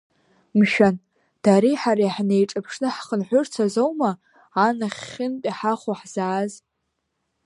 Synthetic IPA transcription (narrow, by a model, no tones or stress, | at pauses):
mʃᶣan | d̥aɾiħaɾajħnejʈ͡ʂʼɨpʰʂnɨħχənħʷʊrt͡sʰazowmaː | naχʲːɪnpʼiħaχʷuħz̥aːz